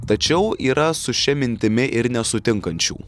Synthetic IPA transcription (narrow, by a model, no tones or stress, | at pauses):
t̪ɐt͡ʃʲɛʊiːɾɐsʊʃʲɛmʲɪnʲt̪ʲɪmʲɪʔɪɾnʲɛsʊt̪ʲɪŋkɐnʲt͡ʃʲṵː